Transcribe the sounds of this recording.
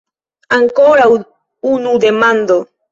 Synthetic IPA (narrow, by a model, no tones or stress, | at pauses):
aŋkoɾaw | unud̪emãnd̪o